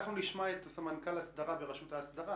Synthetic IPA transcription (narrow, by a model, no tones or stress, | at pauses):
χnuliʃmaet̪samankalasd̪aʁabeʁaʃut̪hasd̪aʁa